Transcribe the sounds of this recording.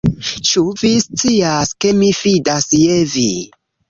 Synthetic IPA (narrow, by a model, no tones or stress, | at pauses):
t͡ʃuvist͡siaskemifidasjevi